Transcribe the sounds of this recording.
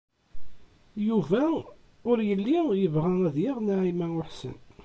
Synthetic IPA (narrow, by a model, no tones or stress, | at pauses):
juvæ | ʊɾjəlːijəvʁææðjiʁnaʕimæʊħsə̰n